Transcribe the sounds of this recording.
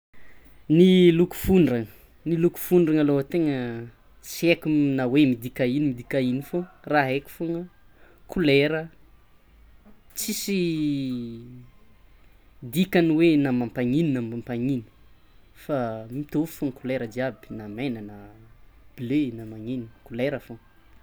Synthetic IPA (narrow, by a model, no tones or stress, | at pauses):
niluku̥fuɳɖ͡ʐaŋə | niluku̥fuɳɖ͡ʐaŋaloɦat̪eŋə | siekumnawemid̪ikainimid̪ikainiforaɦeku̥foŋə | kuleɾə | t͡sisi | d̪ikanwenamampaŋininamampaŋini̥ | famit̪ofu̥foŋəkuleɾəd̪iabi̥namenana | b̥lenamaŋinikuleɾəfo